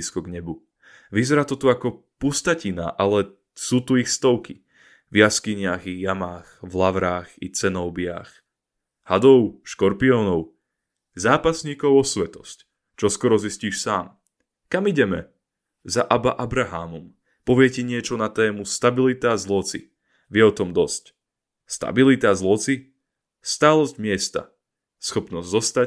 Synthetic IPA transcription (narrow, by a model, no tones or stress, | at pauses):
skɔɡɲɛbu | ʋizɛɾaːt̪ɔt̪uakɔ | pust̪acina̰ʔalɛ | suːt̪uixst̪ɔʊki | vjaskiɲɪaɣijamaːxvlaʋɾaːxḭt͡sɛnɔʊbɪa̰x | had̪ɔʊʃkɔɾpiɔːnɔʊ | zaːpasɲiːkɔʊɔsʋɛt̪ɔsc | t͡ʃɔskɔɾɔzisciːʃsaːm | kamiɟɛmɛ | zaʔabaʔabɾaɦaːmɔm | pɔʋɪɛcɛɲɪɛt͡ʃɔnat̪ɛːmust̪abilit̪aːzlɔt͡sḭ | ʋɪɛɔt̪ɔmd̪ɔsc | st̪a̰bilit̪azlɔt͡si | st̪aːlɔzɟmɪɛst̪a̰ | sxɔpnɔzzɔst̪a